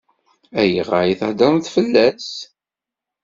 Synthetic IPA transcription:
æjəʁajiθæd̪ɑnθfəlːæs

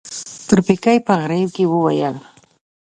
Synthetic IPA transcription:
t̪ʊɾpɪkajpaχɾɪwkɪwʊwajɑŋ

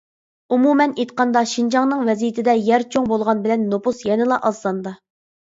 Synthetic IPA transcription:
umumɛnet̪qɑnd̪ɑʃind͡ʒɑŋnɨŋvɛzijit̪ʰɪd̪ɛjæɾt͡ʃʰoŋbolˠʁɑnbɪlɛnːopusjɛnɪlˠɑʔɑzlˠɑnd̪ɑ

